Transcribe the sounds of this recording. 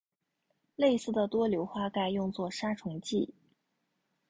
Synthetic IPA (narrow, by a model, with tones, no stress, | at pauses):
le˥˧ɪsɹ̩˥˩d̪ə˩t̪wɔ˥ljo˧˥ʊxwa˥˧ka˥˩ɪjʊ˥˧ŋt͡swɔ˥˩ʂa˥ʈ͡ʂʰʊ˧˥ŋt͡ɕi˥˩